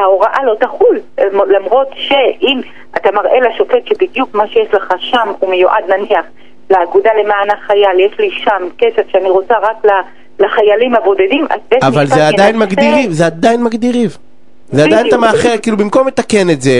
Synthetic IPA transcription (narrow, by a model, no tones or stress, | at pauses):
haoʁaʔalo̞t̪aχulmlamʁo̞t̪ʃeʔim | ʔat̪amaʁʔe̞laʃo̞fe̞t̪ʃebid̪jukmaʃejeʃleχaʃamumejoʔad̪naniaχ | leaɡud̪alemaːnaχajaljeʃliʃamkesevʃeaniʁo̞t͡saʁakla | laχajalimhabo̞dedimʔa̰zeavalzead̪ajinmaɡdiʁivzead̪ajinmaɡd̪iʁiv | zeadajint̪amaaχeʁkiːlubimko̞mːet̪ake̞netze